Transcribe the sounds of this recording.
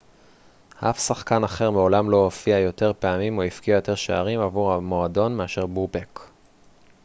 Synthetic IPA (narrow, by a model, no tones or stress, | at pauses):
ha̰fsaχkanaχe̞ʁmeo̞lamlo̞ofiajo̞te̞ʁpeamimoifkiajo̞te̞ʁʃeaʁimavuʁhamo̞ado̞nmeaʃe̞ʁbube̞k